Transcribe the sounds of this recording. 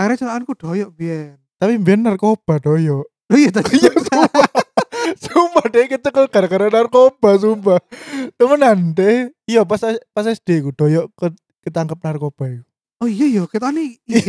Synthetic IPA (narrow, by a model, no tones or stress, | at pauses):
aɾat͡ʃuɾaankuɖ̥ɔjɔʔbiɛnt̪apimbiɛnːarkob̥a̤ɖ̥ojɔʔ | ojɔt̪aijasua | sumpad̪ekit̪əkəɡ̥aɾaɡaɾanarkob̥a̤s̬umpat̪əmənant̪eijɔpaspasɛsd̪̥ekud̥ɔ̤jɔʔkə | kət̪aŋkəp̚narkob̥aiku | ɔijɔjɔkət̪ani